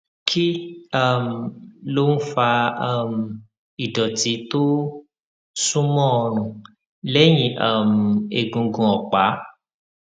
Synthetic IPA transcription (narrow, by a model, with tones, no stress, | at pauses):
kʰi˦a˦˨m̩˨lo˦n̩˦fa˧a˦˨m̩˨ | i˨dɔ˨ti˨˦to˦ | sũ˦mɔ̃˦ɔ˧ñũ˨ | lɛ˦j̃ĩ˧˦a˦˨m˨e˨ɡũ˧ɡũ˧˨ɔ˨k͡pa˨˦